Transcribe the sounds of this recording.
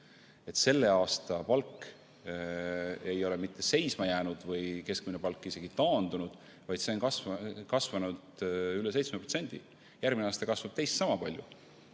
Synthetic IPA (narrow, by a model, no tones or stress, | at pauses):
e̞t̪se̞lːe̞ɑːst̪ɑpɑlkː | e̞jo̞lemit̪ːˑe̞se̞jsmɑjæːnud̪̥vɤjke̞skminepɑlkˑːise̞ɡit̪ɑːnd̪̥unud̪̥ | vɑjd̪̥se̞onkɑsvkɑsvɑnud̪̥yle̞se̞jt̪smeprot̪senʲd̪̥ḭ | jærɡmineɑːst̪ɑkɑsvɑb̥̚t̪e̞jst̪sɑmɑpɑlʲjṵ